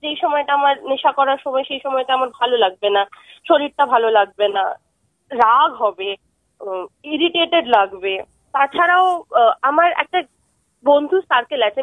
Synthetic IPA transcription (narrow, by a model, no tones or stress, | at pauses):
d͡ʑejʃɔmɔeʈaamaɾneʃakɔɾaɾʃɔmɔeʃejʃɔmɔeʈaamaɾbʱalolaɡ̚benaʃoɾiɾ̚ʈabʱalolaɡ̚bena | ɾaɡɦɔbe | iɾiʈeʈeɖlaɡbe | t̪at͡ɕʰaɾaoamaɾɛ̰k̚ʈa | bond̪ʱust̪aɾkelat͡ɕʰe